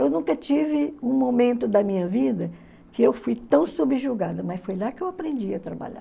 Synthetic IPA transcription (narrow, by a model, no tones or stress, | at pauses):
ewnũkɐt͡ʃivɪũmomẽnt̪ʊd̪ɐmĩɲɐvid̪ɐ | kɪewfujt̪ɐ̃w̃subɪʒuɡad̪ɐmɐsfojlakɪewapɾẽnd͡ʒiɐt̪ɾaba̰ʎa̰